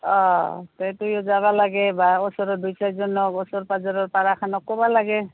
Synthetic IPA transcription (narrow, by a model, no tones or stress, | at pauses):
ɔt̪ejtujɔzaβalaɡɛbaɔsɔɾɔdujsajzɔnɔkɔsɔɾpazɔɾɔɹpaɾakʰanɔkːɔbalaɡɛ